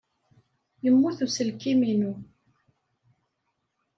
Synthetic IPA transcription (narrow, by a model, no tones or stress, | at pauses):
jəmːuθusəlkiminu